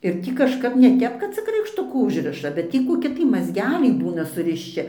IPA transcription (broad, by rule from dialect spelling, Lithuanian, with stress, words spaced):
ɪr ˈtʲiː kɐʃˈkɐp nʲɛ ˈtʲɛp kɐt ˈt͡sʲɪk rɐɪkʃˈtʊkuː ˈʊʒʲrʲɪʃɐ bʲɛt ˈtʲiː koːˈkʲɪ tɐɪ mɐzʲˈɡʲæːlʲɛɪ ˈbuːnɐ sʊrʲɪʃʲˈt͡ʃʲɪ